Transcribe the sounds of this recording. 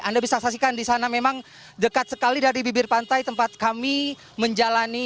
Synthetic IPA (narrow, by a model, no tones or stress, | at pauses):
ʔandabisasas̬ikandisanamemaŋ | dəkat̪̚sə̥kalidaɾibibɪrpant̪ajt̪əmpat̪̚kami | məɲd͡ʒalani